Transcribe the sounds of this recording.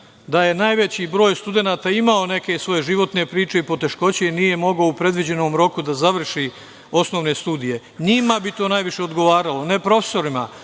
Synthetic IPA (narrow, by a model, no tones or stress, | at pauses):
d̪aje̞naːjʋe̞t͡ɕibɾo̞ːjst̪ud̪e̞naːt̪aimao̞ne̞ke̞sʋo̞je̞ʒiʋo̞t̪ne̞pɾiːt͡ʃe̞ipo̞t̪e̞ʃko̞t͡ɕe̞nije̞mo̞ɡoupɾe̞d̪ʋid͡ʑe̞no̞ːmɾo̞kud̪azaʋr̩ʃi | o̞sno̞ʋne̞st̪uːd̪ije̞ | ɲimabit̪o̞ːnajʋiʃe̞o̞d̪ɡo̞ʋaːɾalo̞ne̞pɾo̞fe̥so̞ɾima